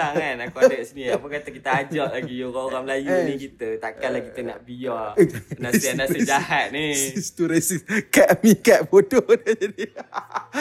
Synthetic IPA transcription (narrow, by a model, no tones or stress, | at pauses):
aŋanakwadɛtsiniapəkat̪akit̪aad͡ʒaʔlaɡioɾaoɾaŋəlajunikit̪ət̪akalakit̪əna̰ʔbijɔanasadassəd͡ʒahat̪̚nisist̪uɾesiskaʔmĩkaʔ̪fododəd͡ʒadi